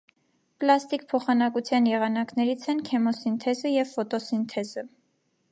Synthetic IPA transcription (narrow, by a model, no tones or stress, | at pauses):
plɑst̪ikpʰɔχɑnɑkut͡sʰjɑnjɛʁɑnɑknɛɾit͡sʰɛnkʰɛmɔsint̪ʰɛzəjɛvfɔt̪ɔsint̪ʰɛzə